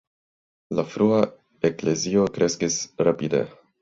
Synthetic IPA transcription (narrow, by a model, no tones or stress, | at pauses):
lafɾua | ekle̞zio̞kɾe̞skisɾapidḛ